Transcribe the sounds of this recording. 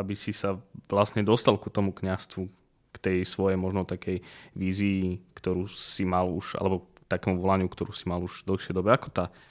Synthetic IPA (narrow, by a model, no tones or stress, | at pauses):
abisisaʋlast̪ɲɛd̪ɔst̪alkut̪ɔmukɲast̪ʋu | kt̪ɛjsʋɔjɛjmɔʒnɔt̪akɛjʋiːziːkt̪ɔɾuːsimaluʒʔa̰lɛbɔt̪akɛːmuʋɔlaɲɪukt̪ɔɾuːsimaluʒ̥d̪l̩ˠxʃɪɛjd̪ɔbɛakɔ̥t̪a